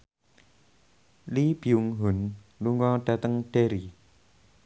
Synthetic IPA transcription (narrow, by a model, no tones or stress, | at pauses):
lib̥iuŋɦʊnluŋɔɖ̥at̪əŋɖ̥eɾi